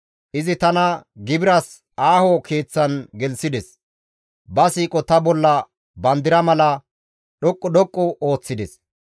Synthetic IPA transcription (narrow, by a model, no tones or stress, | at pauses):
ʔɪzɪt̪ɐnɐɡɪbɪɾɐs | aːhokeːt͡sːɐnɡɛlsɪd̪ɛs | bɐsiːkʼɔt̪ɐbɔlːɐ | bɐnd̪ɪɾɐmɐlɐ | ɗɔkʼːɔɗɔkʼːʊo̞ːt͡sːɪd̪ɛs